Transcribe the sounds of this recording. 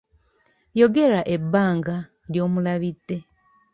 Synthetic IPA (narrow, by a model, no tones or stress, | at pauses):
jo̞ɡe̞ɾaʔe̞bːaːŋɡa | ljo̞ːmulaβitːe̞